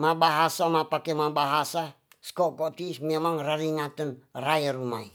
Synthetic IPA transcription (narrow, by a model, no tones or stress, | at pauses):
mabaɦasamapakɛmabaɦasa | skɔkɔt̪ismɛmaŋraɾiŋat̪ənrajaɾumai